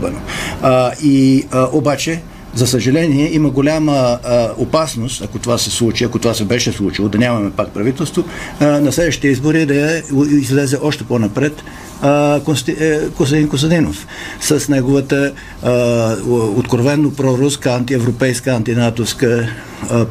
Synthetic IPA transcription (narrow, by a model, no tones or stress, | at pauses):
bɛno | iʔobat͡ʃɛ | zɐsəʒɐlɛniɛʔiməɡolʲaməopasnost̪ɐkot̪ovasɛslˠut͡ʃiɐkot̪ovasɛbɛʃɛslˠut͡ʃilˠod̪ɐnʲamɐmɛpak̚pɾɐvit̪ɛlˠst̪vonɐslɛd̪vəʃt̪i̥t̪ɛizboɾid̪ɐizlɛzɛʔɔʃt̪ɛponɐpɾɛt̪ | kkosd̪inkosɐd̪inof | sɐsnɛɡovət̪ə | ot̪kɾovɛnːopɾɔɾuskəant̪iɛvɾopɛjskəant̪inat̪oskə